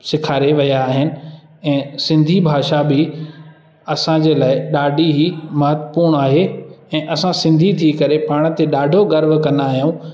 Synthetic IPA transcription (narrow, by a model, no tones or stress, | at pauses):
sɪkʰaːɾeʋɐjaːɦɪnɪ̆ | ɛ̃ːsɪ̃nd̪ʱibʱaːʃabɪ | ɐsãd͡ʑeːlaːɪɗaːɖʱiɦimɐɦət̪əpuːɾɽ̃aːɦeɛ̃ːʔɐsãsɪ̃nd̪ʱit̪ʰiːkɐɾepaːɽ̃t̪eɗaːɖʱoɡɐɾbkɐ̃nd̪aːɦijũː